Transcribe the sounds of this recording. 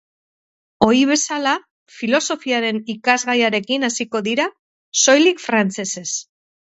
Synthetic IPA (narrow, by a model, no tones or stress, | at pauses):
o̞ɾiβ̞e̞sala | filo̞so̞fiaɾe̞nikazɣajaɾe̞kinasiko̞ðiɾa | so̞jlikfɾant͡se̞se̞s